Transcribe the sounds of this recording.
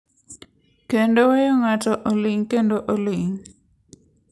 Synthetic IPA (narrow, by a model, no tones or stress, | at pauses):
kendowejoŋatɔʔolɪŋkendoʔolɪŋ